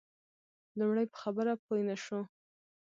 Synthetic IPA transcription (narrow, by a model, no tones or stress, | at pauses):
lumɽəjpə̥xabəɾapojnaʃo